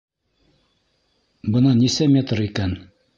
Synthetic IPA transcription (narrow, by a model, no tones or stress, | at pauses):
bɤ̆nɑnisæmʲet̪ɾikæn